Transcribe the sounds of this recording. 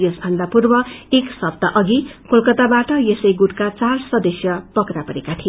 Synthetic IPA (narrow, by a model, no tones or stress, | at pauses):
jesbʱʌnd̪apurbʌeksʌb̚d̪ʌʔʌɡikolkʌt̪abaʈʌjesʌjɡuʈkat͡sarsʌd̪ʌsjʌpʌkɾapʌɾekat̪ʰi